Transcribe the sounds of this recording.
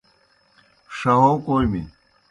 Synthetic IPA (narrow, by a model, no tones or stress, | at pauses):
ʂɐɦokoːjmḭ